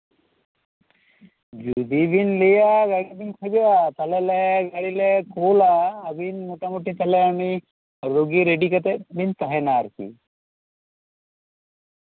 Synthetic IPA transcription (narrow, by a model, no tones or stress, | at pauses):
d͡ʒud̪ibinlejaɡaɽibinkʰɔbewat̪ɐlɛlɛɡaɽilɛkoːlaːbinmuʈamuʈit̪ɐlɛani | ɾoɡiɾeɖikɔt̪ɛbʱint̪aɦɛnaɾkḭ